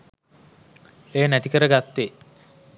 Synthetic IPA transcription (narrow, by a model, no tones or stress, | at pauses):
ejənæt̪ikəɾəɡat̪ːe